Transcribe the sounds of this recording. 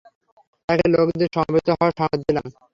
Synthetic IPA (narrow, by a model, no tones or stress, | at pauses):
t̪akelokd̪eɾʃɔmabet̪ːoɦɔeʃɔmd̪ilam